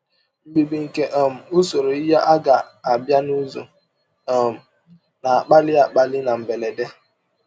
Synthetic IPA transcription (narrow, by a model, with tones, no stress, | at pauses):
ŋ͡m̩˦ɡ͡bi˨bi˨ŋ̩˨ke˦ʔɔ˨m̩˨o˦so˨ɾo˨i˦ja˦ʔa˦ɡa˨a˨bja˦nu˦zo̰˨ | m̩˨ | na˨a˨k͡pa˦lɪ˦a˨k͡pa˦lɪ˦na˨m̩˨be˨le˨de˦